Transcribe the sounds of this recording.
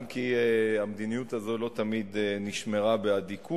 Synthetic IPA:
mkiamd̪inijut̪azo̞lo̞t̪amid̪niʃmeʁabead̪ikʰu

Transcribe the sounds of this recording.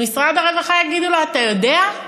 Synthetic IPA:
misʁad̪aʁaɡaχajaɡid̪uloat̪ajo̞d̪ea

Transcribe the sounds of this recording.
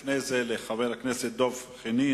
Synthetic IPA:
fnezeleχaveʁakneset̪̚d̪o̞vχini

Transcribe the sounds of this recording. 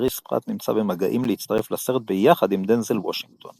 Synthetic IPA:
ʁispʁa̰t̪nimt͡sa̰bemaɡaʔimlehit͡st̪aʁeflase̞ʁet̪̚bejaχad̪imd̪enzelwoʃiŋɡt̪ʰo̞n

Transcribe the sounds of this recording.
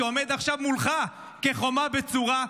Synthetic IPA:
omed̪aχʃavmulχa | ke̞χo̞mabet͡suʁa

